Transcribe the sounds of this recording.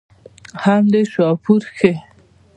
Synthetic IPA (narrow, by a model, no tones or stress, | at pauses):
hand̪eʃɑpuɾxe